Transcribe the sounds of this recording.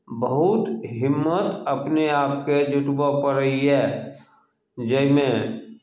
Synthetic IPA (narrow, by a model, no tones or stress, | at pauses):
bəɦʊt̪ɦɪmːət̪əpneaːpked͡ʒʊʈ̪bapəɾəiɦɛː | d͡ʒəɪmẽ